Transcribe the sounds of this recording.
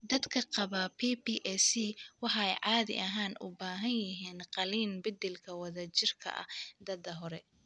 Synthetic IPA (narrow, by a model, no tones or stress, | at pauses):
d̪ɐd̪kʰɐqɑβapʰiːpiːʔɛsiwɑħɛjʕɑːðɪ̰ʔɐɦaːnʔʊ̰baːɦɐnjɪɦiːnqɑliːnbɪd̪ɛlkʰɐwɐðɐt͡ʃɪrkʰɐ̰ʔɐ̰d̪ɐd̪ɐɦɔɾɛ